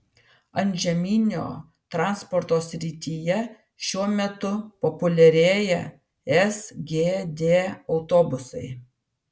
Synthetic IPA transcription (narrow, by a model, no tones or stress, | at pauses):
ɐnʲʒʲɛmʲiːnʲo̰ː | t̪ɾɑnspɔɾt̪oːsʲɾʲɪt̪ʲijɛ | ʃʲuɔmʲɛt̪ʊpɔpʊlʲɛɾʲeːjɛ | ɛsɡʲeːd̪ʲeːɒʊt̪oːbʊsɐɪ